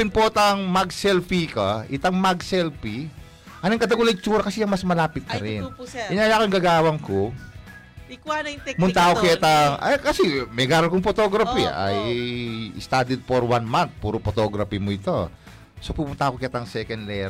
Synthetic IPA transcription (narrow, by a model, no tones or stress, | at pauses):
ɪnpot̪ɐŋmɐɡsɛlfikɐʔɪt̪ɐŋmaɡsɛlpi | ʔɐnɐŋkɐt̪ɐɡulɐt͡ʃuːɾɐkɐsɛjɐŋmɐsmɐlaːpɪt̪̚kɐɾɪnɪnajakojŋɡɐɡaːwɐŋko | ɐmʊnt̪aʔkokɛt̪ɐŋakɐsɛmɛɡaːɾokʊŋpot̪oɡɾɐpiʔɐ̰j | ɪ̰st̪ad̪ɛd̪̚foɾwanmant̪̚puːɾopot̪oɡɾɐpimoɪt̪o̞ | sopupʊnt̪aʔkokɛt̪ɐŋsɛkɛnd̪lɛ